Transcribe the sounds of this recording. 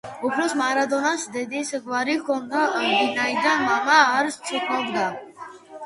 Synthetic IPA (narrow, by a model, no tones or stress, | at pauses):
upʰɾɔsmaɾad̪ɔnasd̪ɛd̪isɡvaɾikʰɔnd̪abinaid̪anmamaːɾst̪sʰukʰaɡd̪a